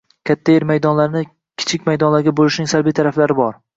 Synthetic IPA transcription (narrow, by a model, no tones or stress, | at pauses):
kʲʰat̪ʰːajeɾmajd̪ɒnlaɾnɪ | kʲʰɪ̥t͡ʃʰɪkʲmajd̪ɒnlaɾɡʲabolɪʃnɪŋsalbijt̪ʰaɾaflaɾɪbɒɾ